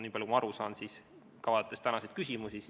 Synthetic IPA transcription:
niːpɑljukumɑɑɾusɑːnsiːs | kɑvɑt̪ːˑest̪ænɑsejd̪̥kysʲimusis

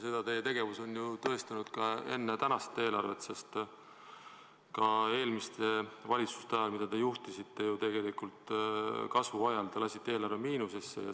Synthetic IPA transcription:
se̞d̪̥ɑt̪e̞jet̪e̞ɡ̥e̞vuso̞njut̪ɤ̞e̞st̪ɑnud̪̥kɑe̞̰nːet̪ænɑst̪ːˑe̞ːlɑrve̞t̪se̞st̪ | kɑe̞ːlmist̪e̞vɑlʲit̪su̥st̪ɑjɑlmid̪̥ɑt̪e̞juht̪isit̪ːe̞jut̪e̞ɡ̥e̞likult̪kɑsvuɑjɑlt̪elɑsʲit̪ːeeːlɑrvemiːnusesːḛjɑ̰

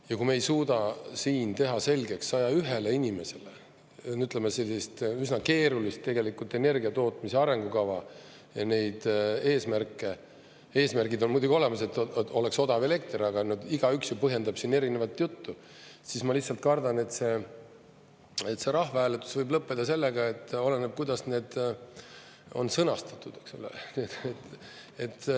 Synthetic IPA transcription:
jɑkume̞jsuːd̪ɑsiːnt̪e̞ɦɑse̞lʲɡ̥e̞ksːɑjɑyɦe̞le̞inʲime̞se̞le̞ | nyt̪lemːese̞lːist̪ysnɑke̞ːɾulist̪̚t̪e̞ɡe̞likːult̪ːˑe̞ne̞rɡiɑt̪o̞ːt̪ˑmiseɑɾe̞ŋɡukɑvɑ | jɑne̞jd̪̥e̞ːsmærkːˑe̞ | e̞ːsmærɡid̪o̞nmujd̪uɡʲio̞le̞mɑse̞t̪ːo̞le̞kso̞d̪ɑve̞le̞k̚t̪rɑɡ̥ɑnod̪iɡ̥ɑyksjupɤɦje̞nd̪ɑb̥sinːe̞ɾinevɑt̪ːjut̪ːu | sismɑlihsɑlt̪̚kɑrd̪ɑne̞t̪se̞ | e̞t̪se̞ɾɑɦvɑæːlet̪ːˑu̥svɤjblɤpːed̪̥ɑse̞lːeɡ̥ɑe̞t̪ːo̞leneb̥̚kujd̪̥ɑsne̞ːd̪̥ | o̞̰nsɤnɑst̪ɑ̥t̪ːˑud̪̥eksulːḛnet̪ | et̪ː

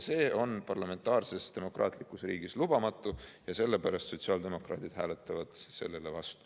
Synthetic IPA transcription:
se̞ːo̞npɑrlɑme̞nt̪ːˑɑːrse̞sd̪̥e̞mo̞krʔɑ̰ːt̪ˑlikːˑusrḭːɡislub̥ɑmɑt̪ːˑujɑse̞lːe̞pæɾɑst̪so̞t̪ʲsiɑːld̪e̞mo̞krɑ̰ːt̪id̪̥hæːlet̪ːˑɑvɑd̪̥se̞̰lːe̞le̞vɑst̪u̥

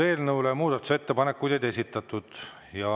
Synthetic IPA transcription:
e̞ːlnɤwlemuːd̪̥ɑt̪ːˑu̥set̪ːe̞pɑne̞kːujd̪ed̪e̞sit̪ːˑɑt̪ːˑud̪̥ | jɑ

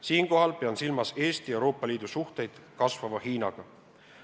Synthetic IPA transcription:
siːŋko̞ɦɑlpeɑnsilmɑse̞ːst̪ie̞wɾo̞ːpːˑɑliːd̪̥usuht̪e̞jd̪̥kɑsvɑmɑhiːnɑɡ̥ɑ

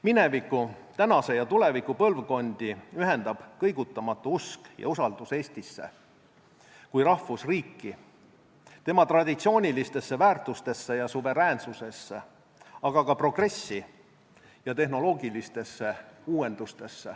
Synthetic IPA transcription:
mine̞vikːˑut̪ænɑse̞jɑt̪ule̞vikupɤ̞lvko̞nʲd̪̥iyɦe̞nd̪̥ɑb̥kɤ̞jɡ̥ut̪ːˑɑmɑt̪ːˑuuskjɑ̰usɑld̪̥use̞ːst̪isːe̞̰ | kujɾɑhːusriːkːi | t̪e̞mɑt̪rɑd̪̥ʲit̪sio̞ːnʲilist̪e̞sːe̞væːrt̪ːˑust̪e̞sːe̞jɑsuve̞ɾæːnsuse̞sːe | ɑɡ̥ɑkɑpro̞ɡ̥re̞sːi | jɑt̪e̞ɦno̞lo̞ːɡilist̪e̞sːe̞uːe̞nd̪̥ust̪e̞sːe

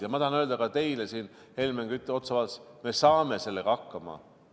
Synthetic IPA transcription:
jɑmɑt̪ɑhɑnøːld̪ɑkɑt̪e̞jlesiːn | he̞lmeŋɡ̥yt̪ːˑeo̞t̪sɑvɑsme̞sɑːme̞se̞lːeɡ̥ɑɑkːɑmɑ̰

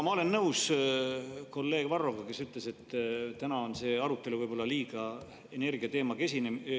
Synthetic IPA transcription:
mɑo̞le̞nːɤus | ko̞lːe̞ːɡ̥vɑro̞ɡ̥ɑke̞syt̪ˑle̞se̞t̪ːt̪ænɑo̞nse̞ːɑɾut̪ːˑe̞luvɯjb̥o̞lːɑliːɡ̥ɑ | ene̞rɡ̥iɑt̪e̞ːmɑkesʲinem

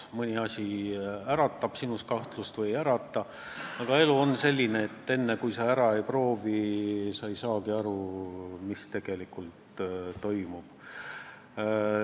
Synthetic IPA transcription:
mɤnʲiɑsʲiæɾɑt̪ːˑɑb̥sinust̪kɑht̪lust̪vɤjæɾɑt̪ːˑɑ | ɑɡ̥ɑe̞luo̞nse̞lʲːineːt̪ːe̞nːekujsɑæɾɑe̞jpro̞ːvisɑejsɑːɡiɑɾumist̪e̞ɡ̥e̞likult̪t̪ːo̞jmub̥

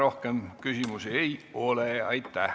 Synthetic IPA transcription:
ɾo̞hkemkysimusiejoleɑjt̪ːˑæ

